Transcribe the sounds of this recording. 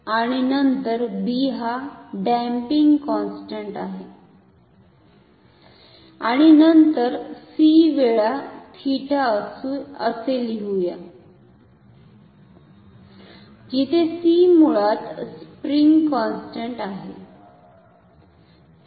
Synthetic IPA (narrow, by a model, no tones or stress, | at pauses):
aɽ̃inənt̪əɾbiɦaɖæ̃mpiŋɡkɔnsʈəɳʈaɦe | a̰ɽ̃inənt̪əɾsiʋeɭat̪ʰiʈa | əseliɦuja | d͡ʑit̪ʰesimuɭat̪spɾiŋɡkɔnsʈəɳʈaɦe